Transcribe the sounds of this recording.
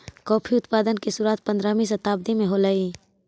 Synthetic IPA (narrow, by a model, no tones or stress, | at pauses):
kɔːpʰiʊt̪paːd̪ənkesuɾaːt̪̚pə̃nd̪ɾaːmĩs̬ɐt̪aːb̚d̪imẽɦolaiː